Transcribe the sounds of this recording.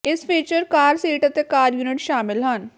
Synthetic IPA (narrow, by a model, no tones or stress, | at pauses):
ɪspʰiːt͡ʃəɾkaːɾsiːʈət̪ekaːɾjuːnɪʈʃaːmɪlɦən